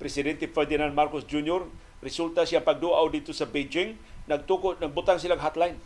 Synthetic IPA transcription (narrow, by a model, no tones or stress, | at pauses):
pɾɛsidɛnt̪ifɛrd̪inand̚markʊsd͡ʒunjɔr | rɛsult̪asiapaɡ̚duaʔudit̪usabed͡ʒɪŋ | naɡ̚t̪ukunaɡ̚but̪aŋsilaɡɦat̪lain